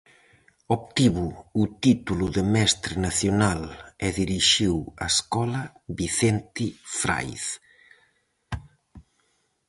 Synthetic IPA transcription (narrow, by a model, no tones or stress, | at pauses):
opt̪iβuːt̪it̪ulʊðemɛst̪ɾenaθjonalɛðiɾiʃiwa̰eskɔlɐ | βiθɛnt̪ifɾa̰jθ